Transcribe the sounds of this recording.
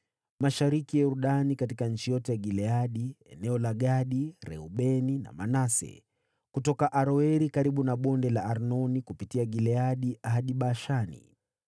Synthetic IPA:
maʃaɾikijauɾuɗanikatikaɲ̩t͡ʃijɔtɛjaɡilɛaɗiɛnɛɔlaɠaɗiɾɛ̰uɓɛnina̰manasɛ̰ | kutɔkaʔaɾɔɛɾikaɾiɓunaɓɔndɛlaːɾnɔnikupitiaɡilɛaɗiʔaɦaɗiɓaʃanḭ

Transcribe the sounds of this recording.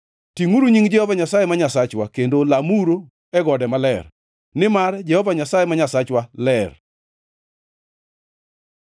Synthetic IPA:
tiŋuɾuɲiŋd͡ʒɛhɔvaɲasajɛmaɲasat͡ʃwakendolamuɾo | ɛɡɔdɛmalɛr | nɪmard͡ʒɛhɔvaɲasajɛmaɲasat͡ʃwalɛr

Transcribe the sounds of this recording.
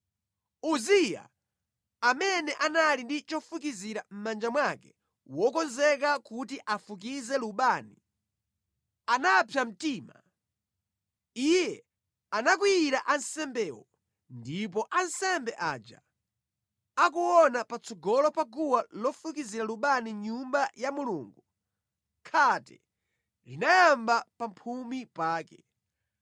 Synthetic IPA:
uzija̰ | amɛnɛʔanalindit͡ʃɔfukiziɾam̩mand͡ʒamwakɛ | wɔkɔnzɛk̬akutiʔafuk̬izɛluɓaːni | anapʰjam̩tiːma | ijɛ | anak̬wijiɾaʔansɛmbɛːwɔ̰ | ndip̬ɔʔansɛmbɛʔad͡ʒa̰ | ak̬uwɔnapat͡sɔɡɔlɔpaɡuwalɔfukiziɾaluɓaniɲumbajamulṵːŋɡu | kʰatɛ | linajambapampʰumipaːkɛ

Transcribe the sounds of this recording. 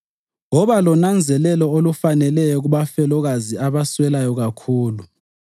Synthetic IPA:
ŋɔβalɔnand͡zʱɛlɛlɔolufanɛlɛjɔɣ̬uɓafɛlɔɣaziaβaswɛlajɔɣakʰuːlu

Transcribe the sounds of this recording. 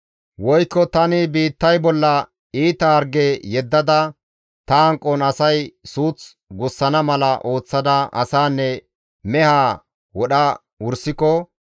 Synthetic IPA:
wɔjkːɔt̪ɐnɪbiːt̪ːɐjbɔlːɐ | iːt̪ɐɐɾɡejɛd̪ːɐd̪ɐ | t̪ɐɐŋkʼːɔnɐsɐjsuːt͡s | ɡʊsːɐnɐmɐlɐʔo̞ːt͡sːɐd̪ɐʔɐ̰saːnːɛ | mɛhaː | wɔɗɐ | ʊɾsɪkɔ

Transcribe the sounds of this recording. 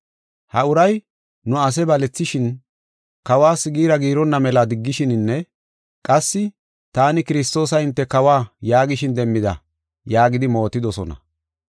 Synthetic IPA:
hɐʊɾɐj | nʊɐs̬ɛbɐlɛt͡sːɪʃɪn | kɐwaːsɪɡiːɾɐɡiːɾɔnːɐmɛlad̪ɪɡːɪʃɪnɪnːɛ | kʼɐsːɪ | t̪aːnɪkɪɾɪst̪o̞ːsɐɪnt̪ːɛkɐwaːjaːɡɪʃɪnd̪ɛmːɪd̪ɐ̰ | jaːɡɪd̪ɪmo̞ːt̪ːɪd̪ɔsɔnɐ̰

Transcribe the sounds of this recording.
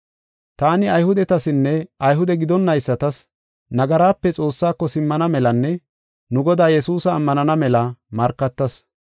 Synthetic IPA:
t̪aːnɪɐjhʊd̪ɛt̪ɐsɪnːɛɐjɦʊd̪ɛɡɪd̪ɔnːɐjsːɐt̪ɐs | nɐɡɐɾaːpːɛt͡sʼo̞ːsːaːkːɔsɪmːɐnɐmɛlɐnːɛ | nʊɡɔd̪aːjɛsuːsɐːmːɐnɐnɐmɛlɐmɐɾkːɐt̪ːɐs

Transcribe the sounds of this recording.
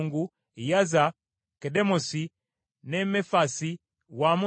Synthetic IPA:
ŋɡu | jaza | kɛdɛmosi | nɛmɛfasi | wamu

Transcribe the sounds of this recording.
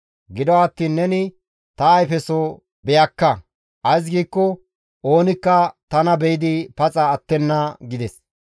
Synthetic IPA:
ɡɪd̪ɔwːt̪ːiːnːɛnɪ | t̪ɐːjfɛsɔ | bɛjɐkːɐ | ʔɐjs̬ɡiːkːɔ | ʔoːnɪkːɐt̪ɐnɐbɛjɪd̪ɪpɐt͡sʼɐːt̪ːɛnːɐɡɪd̪ɛs

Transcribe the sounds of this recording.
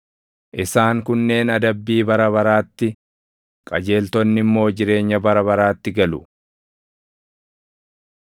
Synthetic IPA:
ʔɪsaːŋkʊnːe̞ːnɐd̪ɐbːiːbɐɾɐβɐɾaːt̪ːɪ | kʼɐd͡ʒe̞ːlt̪ɔnːɪmːo̞ːd͡ʒɪɾe̞ːɲːɐbɐɾɐβɐɾaːt̪ːɪɡɐlʊ

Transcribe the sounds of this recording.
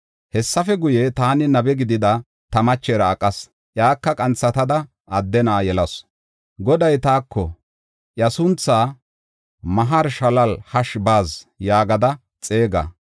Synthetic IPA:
hɛsːɐfɛɡʊjɛt̪aːnɪnɐbɛɡɪd̪ɪd̪ɐ | t̪ɐmɐt͡ʃːeːɾɐːkʼːɐs | ʔjaːkːɐkʼɐnt͡sːɐt̪ɐd̪ɐ | ɐd̪ːɛnaːjɛlɐs | ɡɔd̪ɐjt̪aːkːɔ | ʔjɐsʊnt͡sːaː | mɐɦɐɾʃɐlɐlhɐʃbaːzjaːɡɐd̪ɐ | t͡sʼe̞ːɡɐ̰

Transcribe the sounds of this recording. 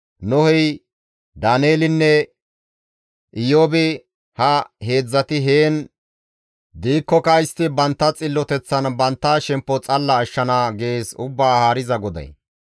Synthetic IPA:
nɔhɛj | d̪aːneːlɪnːɛ | ʔɪjoːbɪ | hɐhe̞ːd͡zːɐt̪ɪɦe̞ːn | d̪iːkːɔkɐjɪst̪ɪbɐnt̪ːɐt͡sʼɪlːɔt̪ɛt͡sːɐnbɐnt̪ːaʃɛmpːɔt͡sʼɐlːɐːʃːɐnaːɡe̞ːsʊbːaːhaːɾɪzɐɡɔd̪ɐ̰j

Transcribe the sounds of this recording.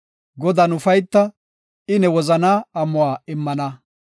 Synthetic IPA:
ɡɔd̪ɐnʊfɐjt̪ːɐ | ɪnɛwɔzɐnaːɐmːʊwaːɪmːɐnɐ

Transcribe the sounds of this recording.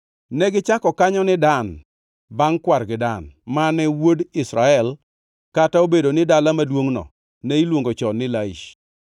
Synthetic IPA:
nɛɡɪt͡ʃakɔkaɲɔnɪdan | baŋkwarɡɪdanmanɛwodɪsɾaɛl | kataobedonɪdalamadwoŋnɔ̰ | nɛilwoŋɡot͡ʃɔnɪlaḭʃ

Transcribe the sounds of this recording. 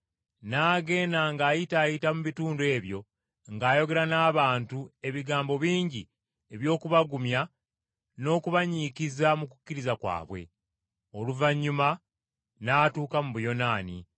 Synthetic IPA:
naːɡe̞ːnaŋɡaːjitaːjitamuβituːndwe̞ːβjo̞ | ŋɡaːjo̞ɡe̞ɾanaːβaːntue̞βiɡaːmbo̞βiːɲɟi | e̞βjo̞ːkuβaɡumja | no̞ːkuβaɲikizamuku̥cːiɾizakwa̰ːβwe̞̰ | o̞luvaɲːuma | naːtuːkamuβujo̞naːnḭ

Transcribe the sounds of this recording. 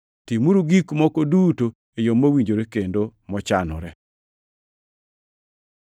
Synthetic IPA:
timuɾuɡikmɔkoduto | ejomːowiɲd͡ʒoɾekendomɔt͡ʃanɔ̰ɾɛ

